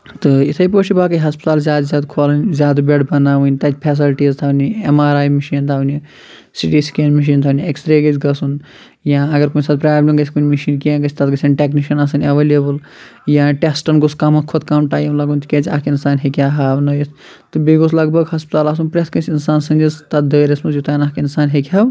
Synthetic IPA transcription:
t̪ɨit̪ʰɐjpoːt͡ʃʰibaːkɐɦɐspi̥t̪aːlzʲjaːd̪zʲaːd̪kʰolɨnʲzʲjaːd̪beɖbɐnaːʋunʲt̪ɐt̪ʰʲpʰes̬ilʈiːzt̪ʰauniemaːɾaːjmiʃiːnt̪ʰaunʲi | siʈiːskenmiʃ̬iːnt̪ʰaniekst̪ɾeːɡɐt͡ʃʲʰɡɐsun | jãːɐɡɐɾkunʲsat̪̚pɾaːblʲemɡɐt͡ʃʰʲikunʲmiʃiːnkiẽːɡɐt͡ʃʰʲt̪ɐt̪ɡɐsʰʲɐnʈekniʃɐnas̬ɨnʲɐʋeːlʲebɨl | jãʈesʈɐnɡuskamɐt̪kʰot̪kaːmʈaːjmlɐɡunt̪ʰket͡ʃʰʲakinsaːnɦekʲaɦabnɐjt̪ | t̪ɨbiɡos̬lɐɡbɐkɦɐspit̪aːlasunpɾeskɐ̃sʰinsaːnsɐ̃nd͡ʒizt̪ɐt̪̚d̪əːɾesmusjut̪anakinsaːnɦekʰʲɦaw

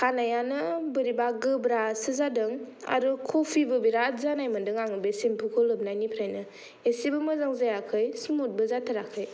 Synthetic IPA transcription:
kʰanajanɯbɯɾibaɡɯbɾasɯzadɯŋ | a̰ɾukʰopʰibɯbiɾatzanajmɯndɯŋaŋɯbesimpʰukʰɯlɯp̚najnipʰɾajnɯ | esibɯmɯzaŋzajakʰɯjsmut̚bɯzatʰaɾakʰɯj

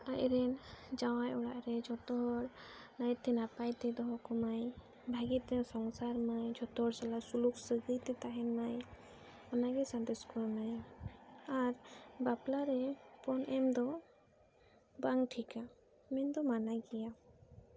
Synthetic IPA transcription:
aʔɾɛnd͡ʒawajʔɔɽaʔɾɛd͡ʒɔt̪ɔɽnatt̪ɛnapajt̪ɛd̪ɔɦɔkɔmaj | bʱaɡit̪ɛsɔŋsaɾmajd͡ʒɔt̪ɔɽsalasuluksəɡəjt̪ɛt̪aɦɛnmaj | ɔnaɡɛsand̪ɛskɔɾnaj | aɾbaplaɾɛpɔnʔɛmd̪ɔ | baŋʈʰika | mɛnd̪ɔmanaɡɛja

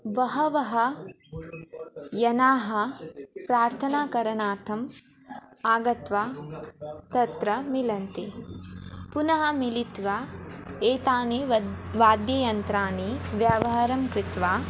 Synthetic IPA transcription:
ʋɐɦɐʋɐɦɐ | jɐnaːɦɐpɾaːɾt̪ʰɐnaːkɐɾɐnaːɾt̪ʰɐm | aːɡɐt̪ʋaː | t̪ɐt̪ɾɐmilɐnt̪i | punɐɦɐmilit̪ʋaːeːt̪aːniʋaːd̪jɐjɐnt̪ɾaːniʋjaːʋɐɦɐɾɐmkɾit̪ʋaː

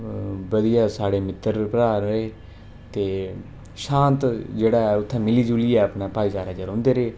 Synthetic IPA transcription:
bəd̪ijaːsaːɽeːmɪt̪ːəɾpəɾaːɾeː | t̪eː | ʃãːnt̪d͡ʒeːɽaːɛʊt̪ʰːãːmɪliːd͡ʒuːliːɛːəpnaːpaːisaːɾaːd͡ʒaɾõːnd̪eːɾeː

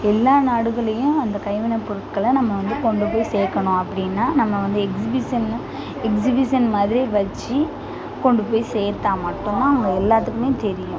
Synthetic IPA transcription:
ɛlːaːnaːɽɯɣɐɭɐjʊ̃ɐnd̪ɐkɐɪʋɪnɐpːʊɾɯkːɐɭlɐnɐmːɐʋɐnd̪ɯkɔɳɖɯpoːjseːɾkːɐɳʊ̃ɐpːɐɽɪnːaːnɐmːɐʋɐnd̪ɯɛksɪbɪsɐn | ɛksɪbɪʂɐnmaːðɪɾiʋɐt͡ʃːi | kɔɳɖɯpoːjseːɾt̪aːmɐʈːʊ̃nːaːɐʋɐŋɡɐɛlːaːt̪̬ːɯkːɯmeːt̪ɛɾɪjʊ̃

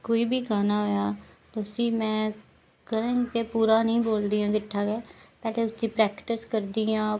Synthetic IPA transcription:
koːiːbʱiːkaːnaːɦojaːt̪oʊsiːmɛ̃ː | kəɾẽːŋkepuːɾaːnəĩːboːld̪ijãːɡɪʈʰːaːɡɛːpɛːleːʊsd̪iːpɾɛːkʈɪskəɾd̪iːãː

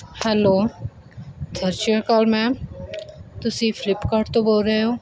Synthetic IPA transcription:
hɛːloː | t̪ʰəɾt͡ʃəkaːlmɛ̃ | t̪ʊsifɪlɪpkaːɾʈt̪oboːlɾəɦeɦoː

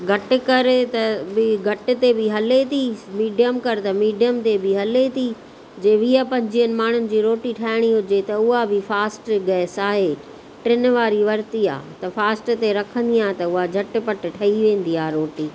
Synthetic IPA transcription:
ɡʱɐʈɪ̆kɐɾt̪ɐbɪɡʱɐʈɪ̆t̪ebɪɦɐlet̪ʰimiːɖijəmkɐɾt̪ɐmiːɖijəmt̪ebɪɦɐlet̪ʰi | d͡ʑeːʋiːəpɐ̃ɲd͡ʑijənɪ̆maːɳ̤ʊnɪ̆d͡ʑiːɾoːʈiʈʰaːɪɽ̃iɦʊd͡ʑet̪ɐʊɦabɪfaːsʈɡɐsaːɦe | ʈɾɪn̆ʋaːɾiʋɐɾt̪ia̰ːt̪ɐfaːsʈt̪eɾɐkʰə̃n̆d̪iaːɦt̪ɐʊɦad͡ʑʱɐʈɪ̆pɐʈ̆ʈʰɐɦiʋẽːn̆d̪iaːɾoːʈiː

